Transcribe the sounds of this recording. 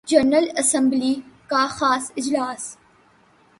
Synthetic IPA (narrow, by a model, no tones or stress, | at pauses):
d͡ʒɐɾnəlɐsɐ̃mblikaxaːsɪd͡ʒlaːs